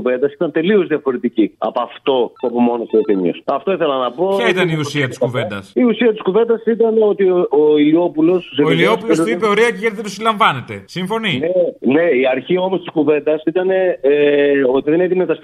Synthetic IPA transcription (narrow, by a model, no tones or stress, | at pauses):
uve̞nd̪ɐsi̥t̪ɐnt̪e̞lio̞zðiɐfo̞ɾet̪iciɐ̰poɐft̪o̞ɐpomo̞nosiot̪eɲio̰sɐft̪o̞iθelɐnɐpo̞ɐit̪ɐniussiɐt̪isuve̞d̪ɐsiusiɐt̪i̥skuve̞nd̪ɐsit̪ɐneo̞t̪iooilio̞pulo̞sseoilio̞pulsuipeoɾiɐceʝeɾðid̪usilɐɱvɐne̞t̪e̞siɱfo̞ninene̞iɐɾçio̞most̪iskuve̞nd̪ɐsit̪ɐne̞ | o̞t̪iðeneðimet̪ɐs